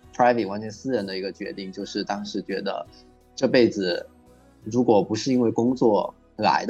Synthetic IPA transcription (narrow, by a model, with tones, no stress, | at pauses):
pʰɹa˥ɪfe˨˩wa˥nt͡ɕʰɥɛ˧˥nsɹ̩˥ɻə˧˥nd̪ə˧i˧˥ɡə˧t͡ɕɥɛ̰˧˥t̪i˥˩ŋt͡ɕjo˥˧ʊʂɻ̩˥˩t̪ɑ˥ŋʂɻ̩˧˥t͡ɕɥɛ˧˥d̪ə̰˧ | ʈ͡ʂɤ˥˧pe˥˩ɪd͡zɹ̩˨˩ | ɻu˧˥kwɔ˨˩pu˧˥ʂɻ̩˥˧i˥nwe˥˩ɪkʊ˥ŋt͡swɔ˥˩ | la̰˧˥ɪd̪